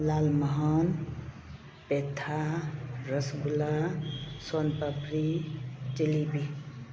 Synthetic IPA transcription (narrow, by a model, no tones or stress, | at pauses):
laːlməɦɔn | pet̪ʰaɾəsɡulasonpəpɾit͡ʃelibi